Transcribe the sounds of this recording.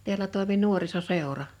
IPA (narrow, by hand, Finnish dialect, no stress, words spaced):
teælæ toˑimi nuorisoseˑorɑ